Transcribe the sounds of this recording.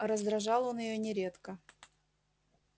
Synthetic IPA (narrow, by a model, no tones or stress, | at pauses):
ɾəzd̪ɾɐʐɑlˠo̞njɪjonʲɪɾʲe̞t̪kə